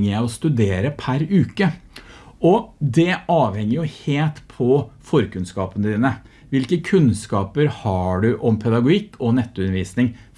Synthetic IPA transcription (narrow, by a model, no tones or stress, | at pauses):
ŋəjæɪɔst̪ʉd̪eːɾəpʰæɾʉːkə | ɔd̪ɛɑːʋhɛŋːəɾjʊheːlt̪pʰɔfɔɾkʉnskɑːpənəd̪iːnə | ʋɪlkəkʰʉnskɑːpəɾhɑɖʉʔɔmpʰɛd̪ɑɡʊɪkʰːɔnɛt̪ːʉnəɾʋiːsnɪŋ